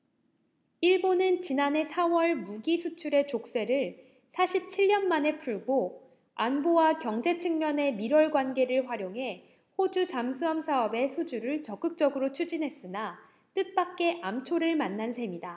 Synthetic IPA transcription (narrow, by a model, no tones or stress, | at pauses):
iɭbonɯnt͡ɕinane̞sʰawʌɭmuɡisʰut͡ɕʰuɾe̞t͡ɕok̚s͈e̞ɾɯɭ | sʰaɕʰip̚t͡ɕʰiʎːʌnmane̞pʰuɭɡo | anbowakjʌŋd͡ʑe̞t͡ɕʰɯŋmjʌne̞miɾwʌɭɡwanɡe̞ɾɯɭɸwaɾjoŋɦe̞ | hod͡ʑut͡ɕamsʰuamsʰaʌbe̞sʰud͡ʑuɾɯɭt͡ɕʌk͈ɯk̚t͡ɕ͈ʌɡɯɾot͡ɕʰud͡ʑinɦe̞s͈ɯna | t͈ɯt̚p͈ak̚k͈e̞ʔamt͡ɕʰoɾɯɭmanːansʰe̞mida